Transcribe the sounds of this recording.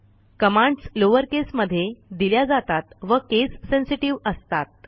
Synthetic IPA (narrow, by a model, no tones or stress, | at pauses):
kəmãɳɖsloʋəɾkesməd̪ʱːjed̪iljad͡zat̪at̪ʋəkesːẽnsiʈiʋəst̪at̪̚